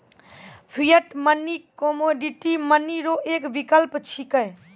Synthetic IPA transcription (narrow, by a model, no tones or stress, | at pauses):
pʰijəʈmənːikomoɖiʈimənːiɾoʔekbikəlpt͡ʃʰikəj